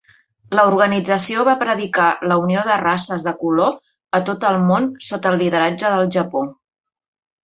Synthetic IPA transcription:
ləuɾɣənid͡zəsioβapɾəðikaləunioðərasəzðəkulo | ət̪ot̪əlˠmonsot̪əlˠːiðəɾad͡ʒəðəlˠʒəpo

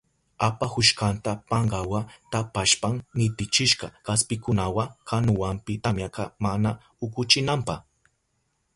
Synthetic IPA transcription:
apahʊʃkant̪apɑɴɢɑwat̪apaʃpaŋnɪt̪ɪt͡ʃɪʃɢɑkaspɪkʊnawakʰanʊwampɪt̪amjakɑmana | ʊkʊt͡ʃɪnampɑχ

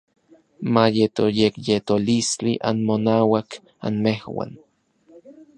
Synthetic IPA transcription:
majet̪ojekjet̪olist͡ɬiʔa̰nmonaːwak | a̰nmehwa̰n

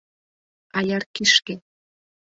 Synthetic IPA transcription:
ɑjɑrkiʃke

